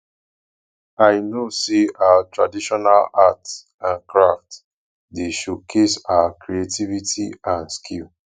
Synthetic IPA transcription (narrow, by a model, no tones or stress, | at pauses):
ajnosiawatɹadiʃɔnalat | ãnkɹaft | deʃukʰesawakɾietivitiãnskʰil